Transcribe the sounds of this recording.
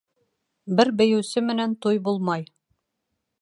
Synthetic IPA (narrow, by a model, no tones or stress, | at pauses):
bɘɾbɘ̆jɘ̆wsɘmɘ̆nænt̪ujbulˠmɑj